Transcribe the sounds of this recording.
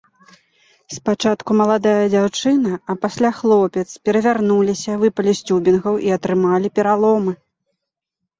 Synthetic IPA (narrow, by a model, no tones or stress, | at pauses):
spat͡ʂat̪kumɐlˠad̪ajɐd͡zʲawt͡ʂɨnɐɐpasʲlʲaxlˠɔpʲɛt̪spʲɛɾɐvʲarnulʲisʲɐvɨpɐlʲisʲt͡sʲubʲinɣɐwʔiɐt̪ɾɨmalʲipʲɛɾalˠɔmɨ